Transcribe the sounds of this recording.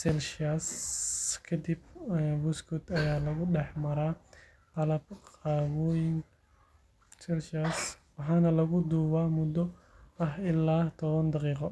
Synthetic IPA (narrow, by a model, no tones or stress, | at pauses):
sɛlʃas | kʰɐd̪ibbʊskʰʊt̪ʰɐjaːlɐɣʊɖɛħmɐɾaː | t̪ɐlɐb̚qɑːβɔːjɪŋ | sɛlʃaswɑħɑːnɐlɐɣʊd̪uːwaːmʊd̪ɔ | ɐɦɪlːaːt̪ʰɔβɐnd̪ɑqiːqɔ